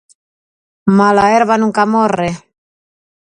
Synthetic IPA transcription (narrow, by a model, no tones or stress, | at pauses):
malaeɾβanuŋkamore